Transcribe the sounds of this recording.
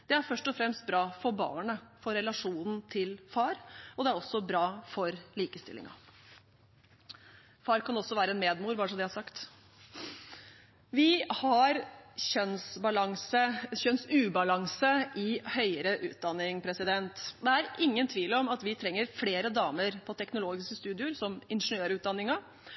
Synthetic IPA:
d̪̥ɛæɾfœʂʈɔfɾɛmst̪̚bɾɑːfɔɾbɑ̰ːɳəfɔɾɛlɑʂuːnn̩t̪ʰɪlfɑːɾɔd̪ɛæɾɔsːɔbɾɑːfɔɾliːkəst̪ɪlɪ̰ŋɑ̰ | fɑːɾkʰɑnɔsːɔʋæːɾəɛnmeːd̪muːɾbɑːɾʂɔmd̪ɛhɑɾʂɑkt̪ | ʋɪhɑɾçœnsbɑlɑŋsəçœnsʉːbɑlɑŋsəʔɪhœʏəɾəʔʉ̰ːt̪̚d̪ɑnːɪŋpʰɾɛsɪd̪ɛnt̪d̪ɛæɾʔɪŋːənt̪ʰʋiːlɔmɑt̪ʋɪt̪ʰɾɛŋːəɾfleːɾəd̪ɑːməɾpʰɔt̪ʰɛknʊloːɡɪskəst̪ʉːd̪ɪʊɾsɔmɪnʂənøːɾʉːd̪ɑnːɪŋɑ

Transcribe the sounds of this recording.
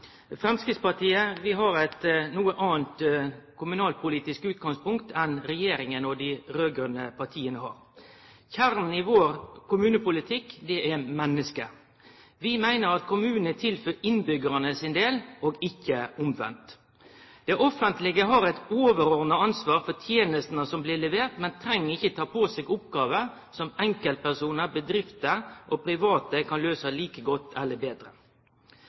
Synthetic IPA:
fɾɛmskɾɪt̪spɑʈiːəʋɪɦɑɾɛt̪nuːəʔɑːənt̪kʰʊmʉnɑːlpʰʊliːt̪ɪskʉːt̪̚ɡɑŋspʊŋkt̪ʰɛnɾɛjeːɾɪŋənɔd̪ɪɾøːɡɾʉnəpʰɑʈ̪ʰiːənəhɑ̰ːɾ | çæɾnn̩ɪʋoːɾkʰʊmʉːnəpʊlɪt̪ʰɪkːd̪ɛʔɛmɛnːəskə | ʋɪmæɪnəɾɑt̪kʰʊmʉːənət̪ʰɪlføːɪnbʏɡəɾənəsɪnd̪eːlʔoːɡɪçːəʊmʋɛ̰nt̪ | d̪̥ɛʔɔfənt̪lɪɡəɦɑɾɛɪt̪oːʋəɾɔʁnəɑnsʋɑːɾfɔt̪ʰjeːnəst̪nəsɔmblɪlɛʋeːt̪mɛnt̪ʰɾɛŋːəɪçət̪ʰɑːpʰosɛɡʊpɡɑːʋə | sɔmɛŋkəlt̪̚pæʁsuːnəbəd̪ɾɪft̪əʔopʰɾɪʋɑːt̪əkʰɑnløːsəliːkəɡɔt̪ʰːɛlːəbeːd̪ɾə̰

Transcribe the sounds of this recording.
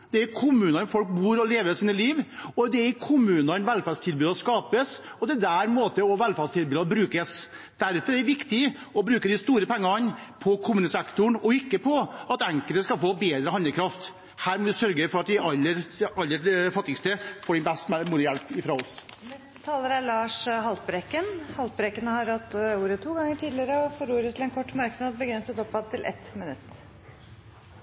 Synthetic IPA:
d̪̥ɛæɾkʰʊmʉːnɑnfɔlk̚buːɾɔleːʋəsiːnəliːʋɔd̪ɛækʰʊmʉːnɑɾnʋɛlfɑst̪ʰɪlbʉːd̪ɔskɑːpəsɔt̪ɛd̪æɾmoːt̪əɔʋɛlfæst̪ʰɪlbʉːd̪ɑbɾʉːkəs | d̪̥æɾfɔɾɛd̪ɛʋɪkt̪ɪ | ɔbɾʉːkəd̪ɪst̪uːɾəpʰɛŋːɑnpʰɔkʰʊmʉːnəsɛkt̪ʊɳɔɪkːəpʰɔɑt̪ɛŋkəlt̪əskɑlfoːbeːd̪ɾəhɑnəkʰɾɑft̪ | hæːɾmɔd̪ɪsœɾɡəfɔɾɑt̪̚d̪ɪɑlːəɾɑlːəfɑt̪ːɪɡst̪əfoːɖɛnbɛst̪mmuːlɪjɛlpɪfɾɑɔsnɛst̪ət̪ʰɑːləɾæɭɑːʂhɑlt̪̚bɾɛkːənhɑlt̪̚bɾɛkənəhɑɾhɑt̪ːuːɾət̪ʰuːɡɑŋːəʈʰiːd̪lɪəɾəɔfɔɾuːɾət̪ʰɪlɛnkʰɔʈːmɑɾknɑːd̪̚bəɡɾɛnsət̪ɔpːɑd̪̚t̪ʰɪlʔɛ̰t̪mɪnʉ̰t̪ː

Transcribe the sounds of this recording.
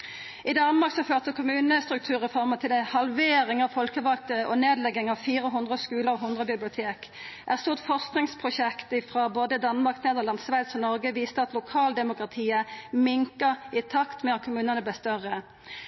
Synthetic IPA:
ɪd̪ɑnmɑʁksɔføːʁt̪əkʰʊmʉːnəst̪ʁʉk̚t̪ʰʉːʁəfɔʁmət̪ʰɪlɛhɑlʋeːɾɪŋɑʋfɔlkəʋɑk̚t̪əʁəʔɔneːd̪lɛɡɪŋɑʋfiːʁəɦʊnd̪ʁəskʉːləʁɔɦʊnd̪ʁəbɪblɪʊt̪ʰeːk | ʔæʁst̪uːʁt̪fɔʁsknɪŋspʰʁʊɕɛkt̪ɪfʁɑboːd̪əd̪ɑnmɑʁkneːd̪lɑnsʋæɪd̪sɔnɔʁɡəʋiːst̪əɑt̪lʊkʰɑːld̪ɛmʊkʁɑt̪ʰiːəmɪŋkəʁɪt̪ʰɑkt̪mɛːɑt̪̚kʰʊmʉːnənəblɛst̪œʁə

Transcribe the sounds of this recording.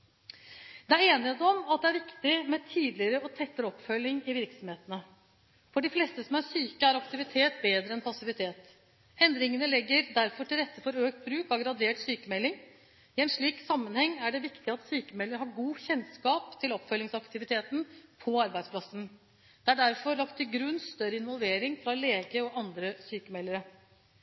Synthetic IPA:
d̪̥ɛæɾeːnɪet̪əɔmɑt̪̚d̪ɛæɾʋɪkt̪ɪmɛt̪ʰiːd̪lɪəɾəɔt̪ʰɛt̪ːəɾɔpːfœlːɪŋɪʋɪɾksɔmheːt̪ənə | fɔɖɪfleːst̪əsɔmæɾsyːkəæɾɑkt̪ɪʋɪt̪ʰeːt̪beːd̪ɾəɛnpʰɑsɪʋɪt̪ʰeːt̪ | ɛnd̪ɾɪŋənəlɛɡːəɾd̪æɾfɔʈɪlɾɛt̪ːəfɔɾøːk̚t̪̚bɾʉːkɑɡɾɑd̪eːʈsyːkəmɛlːɪŋ | ɪɛnʂɭiːksɑmːənhɛŋːæɖɛʋɪkt̪ɪɑt̪syːkəmɛlːəɾɦɑɾɡuːçɛnskɑːpt̪ʰɪlɔpfœlːɪŋsɑkt̪ɪʋɪt̪ʰeːt̪n̩pʰɔɑɾbæɪspʰlɑsən | d̪̥ɛæɖæɾfɔɾlɑkt̪ʰɪɡɾʉnːst̪œɾəɪnʋɔlʋeːɾɪŋfɾɑleːɡəɔʔɑnd̪ɾəsyːkəmɛlːəɾə

